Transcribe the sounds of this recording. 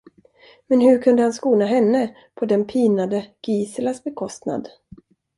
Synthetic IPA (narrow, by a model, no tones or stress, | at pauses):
mɛnhɵɾkʰɵnd̪əhanskuːnaɦɛnːə | pʰɔd̪ɛnpʰiːnad̪əɡ̥iːsəlasbɛkʰɔst̪na̰d̪